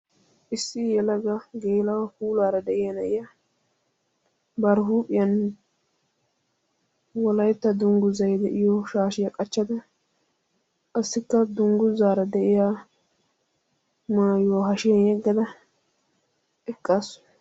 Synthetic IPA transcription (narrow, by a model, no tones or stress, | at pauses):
ʔɪsːɪjɛlɐɡɐɡeːlɐwɐhuːlaːɾɐd̪ɛʔɪjɐnɛʔɪja | bɐɾɦuːpʼɪjɐn | wɔlɐjt̪ːɐd̪ʊŋɡʊzɐjd̪ɛʔɪjɔʃaːʃɪjɐkʼɐt͡ʃːɐd̪ɐ | ʔɐsːɪkːɐd̪ʊŋɡʊzaːɾɐd̪ɛʔɪjaː | maːjʊwaɦɐʃɪjɐnjɛɡːɐd̪ɐ | ʔɛkʼːaːsʊ̥